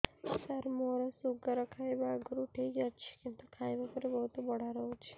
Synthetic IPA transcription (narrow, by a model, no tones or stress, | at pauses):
səɾmoɾasuɡəɾəkʰajbaɡɾuʈʰikd͡ʒat͡ʃʰe̥kɪmt̪ukʰajʋəpəɾebəɦut̪ubəɽ̤aɾəɦũt͡ʃʰe̥